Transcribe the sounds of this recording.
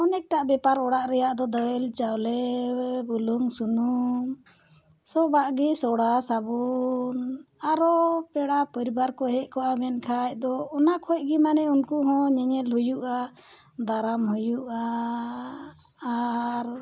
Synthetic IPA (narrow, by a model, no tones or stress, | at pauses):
ɔnɛk̚ʈaʔbɛpaɾɔɽaʔɾɛjaʔd̪ɔd̪ɔjɛlt͡ʃawlɛbuluŋsunum | sɔbaʔɡɛsɔɽasabunaɾɔpɛɽapɔɾibaɾkɔɦɛʔ̚kɔʔamɛnkʰac̚d̪ɔːnakʰɔc̚ɡɛmanɛunkuɦɔ̃ɲɛɲɛlhujuʔa | d̪aɾamhujuʔa | ɾ